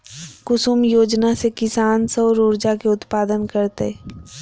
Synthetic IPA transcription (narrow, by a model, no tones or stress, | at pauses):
kʊsumjoːd͡ʒnasekɪsaːnsəːɾoːɾd͡ʒakeʊt̪paːd̪ənkəɾt̪ḛ